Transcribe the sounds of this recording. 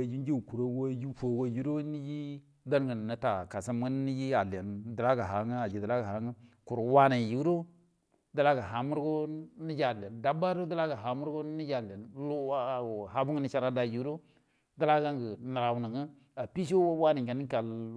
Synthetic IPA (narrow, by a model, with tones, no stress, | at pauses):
a˨d͡ʒi˦d͡ʒi˦˨ku˨ɾo˦wo˦ji˦fo˨wo˦ju˦ɾo˦ni˦ji˦ | da˦ɾŋə˨n˨nə˨ta˨ka˨sa˦mɡə˦ni˦ji˦a˨le˨ndə˨la˦ɡa˨ɦa˨˦ŋə˦a˨d͡ʒi˨də˨la˦ɡa˨ha˨ŋə˦ | ku˨ɾo˨wa˦na˨ji˨˦ɾo˦ | da˦la˦ɡa˨ɦa˨mu˦ɾɡo˦ni˦d͡ʒi˦a˨le˨nda˦ba˦ɾo˦da˦la˦ɡa˨ɦa˨mu˦ɾɡo˦ni˦d͡ʒa˨la˨n˦˨ɦa˦bu˦ŋə˦ni˦ʃa˦ɾa˦da˨ji˨˦ɾo˦ | da˦la˦ɡa˦ŋɡə˨ni˨ɾa˨wu˨nə˨ŋə˦ | a˨pi˦ʃo˦wa˦na˨ŋka˨ni˦ka˨l